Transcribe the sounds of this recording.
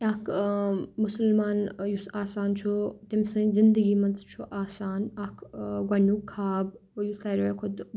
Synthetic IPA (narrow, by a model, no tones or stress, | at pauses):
akʰ | mʊsəlmaːnjusaːsaːnt͡ʃʰut̪imsɐ̃ːzɪnd̪əɡiːmɐnt̪t͡ʃʰuʔaːsaːnɐkʰɡɐɳuːkʰːaːbjusɐɾekʰʊd̪